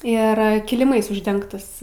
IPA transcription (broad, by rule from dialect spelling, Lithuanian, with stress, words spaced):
ˈɪr kʲɪlʲɪˈmɐɪs ʊʒʲˈdʲɛŋktɐs